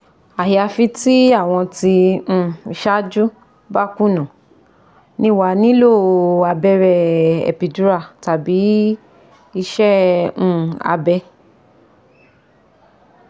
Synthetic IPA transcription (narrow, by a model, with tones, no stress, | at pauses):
a˨ja˨˧fi˧˦ti˦a˦˨w̃ɔ̃˧tĩ˧˨i˧ʃa˦d͡ʒu˦ | ba˦˨kũ˦˨nã˨ | nĩ˦˨wa˧˦nĩ˦lo˦˨a˧bɛ˧ɾɛ˧ɛ̰˨pi˨du˨˦ɾa˦˨ta˨bi˨˦ | i˧ʃɛ̃˦˨ | a̰˧bɛ˧